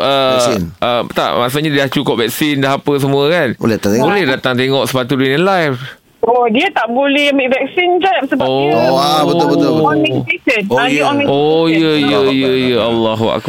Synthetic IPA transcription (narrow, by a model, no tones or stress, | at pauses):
ʔəɛsinət̪a̰ʔma̰ʔs̬uʔɲadilaht͡ʃukʊp̚vɛk̚sindaɦapəs̬əmũəkanbo̰lɛat̪at̪ebolɛhdat̪aŋt̪eŋɔʔsə̥pat̪udinɛnlajf | odiət̪aʔbolɛhəmiʔvɛk̚sind͡ʒapsəbobətot̪ĩet̪əd̚aiɔĩojəjəjəjəalːaɦua̰k